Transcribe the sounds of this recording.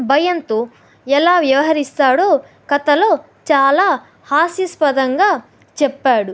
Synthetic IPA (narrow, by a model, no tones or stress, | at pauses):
bʱɐjɐnt̪oː | ɛlaːʋjɐʋɐɦɐɾist̪aːɽoː | kɐt̪ɐlo̞ː | t͡ʃaːlaː | haːsjispɐd̪ɐŋɡaː | t͡ʃɛpːaːɽu